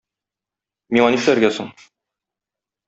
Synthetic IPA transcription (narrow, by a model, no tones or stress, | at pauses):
miɑniʃlæɾɡæsoɴ